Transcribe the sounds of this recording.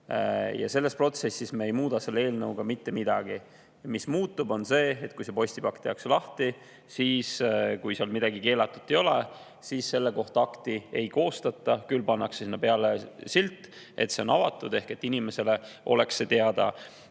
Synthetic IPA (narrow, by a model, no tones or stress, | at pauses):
jɑ̰se̞lːe̞spro̞t̪se̞sːismeejmuːd̪̥ɑse̞lːeeːlnɤuɡ̥ɑmit̪ːe̞mid̪̥ɑɡ̥i | mismuːt̪ːˑubo̞nse̞ːet̪̚ːˑkujsepo̞sʲt̪ipɑkt̪ːeɑkslɑht̪i | siːskujseɑlmid̪ɑɡike̞ːlɑt̪ːˑu̥t̪ːˑe̞jo̞le | siːsse̞lːe̞ko̞ht̪ɑɑkt̪ie̞̰jko̞ːst̪ɑt̪ːˑɑkylːpɑnːɑkssinːɑpeɑlesilt̪ːˑ | e̞̰t̪se̞o̞nɑvɑt̪ːˑud̪e̞hke̞t̪ːinime̞se̞le̞ʔo̞̰le̞kset̪eɑd̪̥ɑ̰